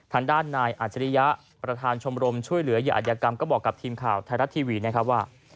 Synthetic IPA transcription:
t̪ʰaː˧ŋdaː˥˩nːaː˧jʔaː˨˩t̪̚t͡ɕːa˧ɾi˦˥ja˦˥ʔ | pɾa˧t̪ʰaː˧nt͡ɕʰo˧mɾo˧mt͡ɕʰu˥˩əjlɯ˨˩˦ɐ˦jɯː˦˥ʔa̰˨˩jaː˧ka˧mkɔː˥˩bɔː˨˩kːa˨˩p̚t̪ʰiː˧mkʰaː˨˩wt̪ʰaː˧na˦˥t̪ʰːiː˧wiː˧na˦˥˩kʰa˦˥p̚waː˥˩

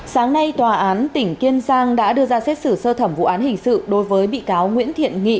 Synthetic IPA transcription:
saː˨˦ŋna˧jt̪waː˨˩ʔaː˨˦nt̪ï˧˩ŋ̟ki˧ənzaː˧ŋɗa̰ː˧˥ɗɨ˧əzaː˧sɛ˦˥t̚sɨ˧˩səː˧t̪ʰə˧˩mvṵ˧˨ʔaː˨˦nhï˨˩ŋ̟sɨ̰˧˨ɗo˨˦jvəː˨˦jɓḭ˧˨kaː˨˦wŋwḭ˧˥ənt̪ʰḭ˧˨ənŋḭ˧˨

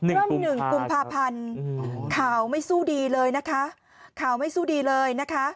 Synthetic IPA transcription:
ɾɯ˥˩nɯ˨˩ŋku˧mpʰaː˧pʰa˧nkʰaː˩˦wma˥˩jsuː˥˩diː˧lɤː˧jna˦˥kʰa˦˥ʔ | kʰaː˩˦wma˥˩jsuː˥˩diː˧lɤː˧jna˦˥kʰa˦˥ʔ

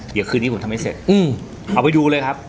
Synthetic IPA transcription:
di˦kʰɯː˧ni˥˩˦t̪ʰa˧mːa˥˩jsḛ˨˩t̪̚ʔɯː˧˩m | ʔa˨˩wpa˧jduː˧ləɤː˧jkʰa˦˥p̚

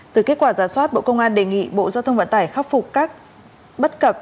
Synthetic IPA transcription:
t̪ɨ˨˩ke˦˥t̚kwaː˧˩zaː˧˩swaː˦˥t̚ɓo̰˧˨kə˧wŋ͡mʔaː˧nɗe˨˩ŋḭ˧˨ɓo̰˧˨zaː˧wt̪ʰə˧ŋ͡mvə˧˨nt̪aː˧˩jxaː˦˥p̚fʊ˨˩k͡p̚kaː˦˥k̚ | ɓə˦˥t̚kə˨˩p̚

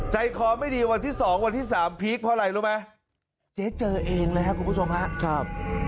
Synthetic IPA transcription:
t͡ɕa˧jkʰɔː˧ma˥˩jdiː˧wa˧nt̪ʰiː˥˩sɔː˩˦ŋwa˧nt̪ʰiː˥˩saː˩˦mpʰiː˦˥k̚pʰɔː˦˥˩ɾa˧jluː˦˥ma˦˥ | t͡ɕeː˦˥t̪̚t͡ɕɤː˧ʔeː˧ŋlə˦˥ka˦˥kʰu˧npu˦˥˩o˧mɦa˦˥ʔkʰɾa˥˩p̚

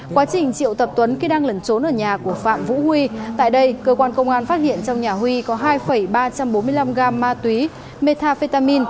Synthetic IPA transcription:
kwaː˨˦t͡ɕï˨˩ŋ̟t͡ɕḭ˧˨əwt̪ə˨˩p̚t̪wə˨˦nki˧ɗaː˧ŋlə˨˩˦nt͡ɕo˨˦nʔəː˧˩ɲaː˨˩ku˧˩əfa̰ː˧˨mvṵ˧˥hwi˧t̪a̰ː˧˨jɗə˧jkəː˧kwaː˧nkə˧wŋ͡mʔaː˧nfa˦˥t̚hḭ˧˨ənt͡ɕɔ˧wŋ͡mɲaː˨˩hwi˧kɔ˨˦ɦaː˧jfə˨˩jɓaː˧t͡ɕa˧mɓo˨˦nmɨ˧əjla˧mɣaː˧mːaː˧t̪wi˨˦ | me˧t̪ʰaː˧fe˧t̪aː˧mi˧n

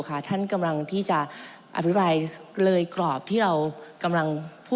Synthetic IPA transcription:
kʰa˥˩t̪ʰa˥˩nka˧mla˧ŋt̪ʰiː˥˩t͡ɕa˨˩ | ʔa̰˨˩pʰi˦˥pɾaː˧jlɤː˧jklɔː˨˩p̚t̪ʰiː˥˩ɾa˧wka˧mla˧ŋpʰuː˥˩

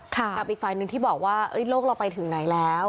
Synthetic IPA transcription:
kʰa˥˩ka˨˩p̚ʔiː˨˩k̚faː˨˧jnɯ˨˩ŋt̪ʰiː˥˩bɔː˨˩k̚waː˥˩ʔɤ˦˥jloː˥˩k̚la˧wpa˧jt̪ʰɯ˨˩˦ŋna˩˦jlɛː˦˥w

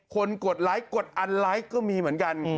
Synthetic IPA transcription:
kʰo˧nko˨˩ət̪̚la˦˥jko˨˩t̪̚ʔa˧nla˦˥jkɔː˥˩miː˧mɯ˩˦ənka˧n

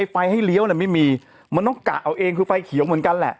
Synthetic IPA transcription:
jfa˧jha˥˩jli˦˥əwnɛ˨˩ma˥˩jmiː˧ | ma˧nt̪ɔː˥˩ŋka̰˨˩ʔa˧˩wʔeː˧ŋkʰɯː˧fa˧jkʰi˨˩˦wmɯ˩˦nka˧nlɛ̰˨˩ʔ

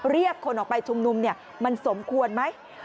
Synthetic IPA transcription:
ɾi˥˩əkʰːo˧nʔɔː˨˩pa˧jt͡ɕʰu˧mnu˧mni˥˩ɐ | ma˧nso˩˦mkʰu˧ənma˦˥j

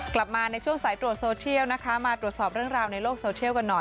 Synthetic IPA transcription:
kla˨˩p̚maː˧na˧jt͡ɕʰu˥˩əŋsaː˨˩˦jt̪ɾu˨˩ət̪̚soː˧t͡ɕʰi˥˩əwna˦˥kʰa˦˥maː˧t̪ɾu˨˩ət̪̚sɔː˨˩p̚ɾɯ˥˩ŋɾaː˧wna˧jloː˥˩k̚soː˧t͡ɕʰi˥˩əwka˧nːɔ˨˩j

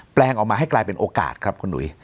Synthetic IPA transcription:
plɛː˧ŋʔɔː˨˩kmaː˧ɦa˥˩jklaː˧jpe˧nʔoː˧ka̰ː˨˩t̪̚kʰɾa˦˥p̚kʰu˧nːṵ˩˦j

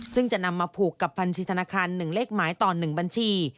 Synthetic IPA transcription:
sɯ˥˩ŋt͡ɕa˨˩ʔna˧mːaː˧pʰuː˨˩kːa˨˩pʰːa˧nt͡ɕʰiː˧t̪ʰnaː˧kʰaː˧nːɯ˨˩ŋleː˥˩k̚maː˩˦jt̪ɔː˨˩nɯ˨˩ŋba˧nt͡ɕʰiː˧

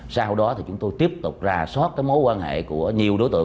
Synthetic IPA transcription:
saː˧ɦə˧wɗɔ˨˦t̪ʰi˨˩t͡ɕʊ˨˦ŋ͡mt̪o˧jt̪i˦˥əp̚t̪ʊ˨˩k͡p̚zaː˨˩sɔ˦˥t̚kaː˨˦jmo˨˦jkwaː˧nhḛ˧˨ku˧˩əɲi˨˩əwɗo˨˦jt̪ɨ̰˧˨

